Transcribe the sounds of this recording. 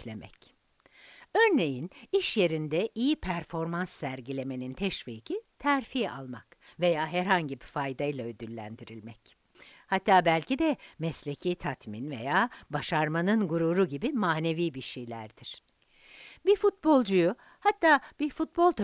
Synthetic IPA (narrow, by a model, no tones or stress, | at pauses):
lʲemɛ̰c | øɾne̞jiniʃje̞ɾind̪ɛʔijipʰæɾfo̞ɾmansːæɾɟilʲe̞me̞nint̪ʰɛʃviːcʰit̪ʰæɾfiːa̰lˠma̰kve̞jaːɦæɾhaɲɟibifajd̪ajilˠaød̪ylʲːæ̰nd̪iɾilʲmɛc | hat̪ʰːaːbælʲcid̪ɛmɛslʲe̞cʰiːt̪ʰat̪minve̞̰jaːbaʃaɾmanɯnɡuɾuːɾuɟibimaːne̞viːbiʃejlʲæ̰ɾd̪̥iɾ̥ | bifut̪̚bo̞lˠd͡ʒuju | hat̪ʰːaːb̥ifut̪̚bo̞lˠt̪ʰ